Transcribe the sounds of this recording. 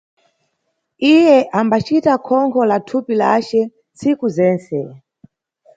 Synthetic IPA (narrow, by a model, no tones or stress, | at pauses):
ijɛʔambat͡ʃitakʰɔŋkʰɔlatʰupilat͡ʃɛ | nt͡sikuzɛːnt͡sɛ